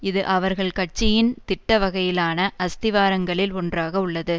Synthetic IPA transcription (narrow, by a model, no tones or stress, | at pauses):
ɪðɯʔɐʋɐɾɣɐɭkɐʈ̚t͡ʃːɪjɪnt̪ɪʈːɐʋɐɣɐjɪlaːnɐʔɐst̪ɪʋaːɾɐŋɡɐɭɪlɔndraːɣɐʊɭːɐðɯ